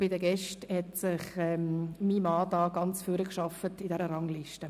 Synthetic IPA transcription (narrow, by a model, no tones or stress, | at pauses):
b̥ɪdəɡɛʃthɛtsɪχɛmmimɑːdɑːɡ̥ɑnt͡sfyɾəkʃɑfətidɛɾəɾɑŋliʃtə